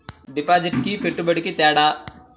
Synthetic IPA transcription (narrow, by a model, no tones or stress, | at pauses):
ɖɪpaːd͡ʒɪʈkipɪʈbəɽkit̪aːɽaː